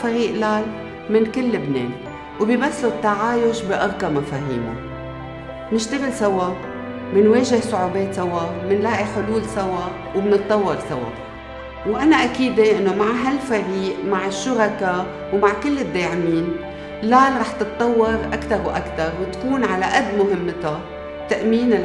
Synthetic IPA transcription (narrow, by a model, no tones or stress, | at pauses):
faɾiːʔlaːl | mɪnkɪlːɪbnḛːn | wbiːbasːot̪ːaʕaːjʊʃbiʔɑɾˤkamafaːɦḭːma̰ | nɪʃt̪ɪɣɪlsawa | mɪnweːʒɪhsˤʊʕuːbeːt̪sawamɪnlaːʔiħʊluːlsawa | wbnɨt̪ˤːɑwːɑɾsawa̰ | wʔanaʔakiːd̪eʔɪnːomaʕɦalfaɾiːʔmaʕɪʃːʊɾɑka | wmaʕkɪlːɪd̪ːeːʕɪmiːn | laːlɾˤɑːħt̪ɨt̪ˤːɑwːɑɾˤʔakt̪ɑɾwʔakt̪ɑɾˤwɪt̪kuːnʕalaʔad̪ːmʊɦɪmːt̪a | t̪aʔmiːnɪl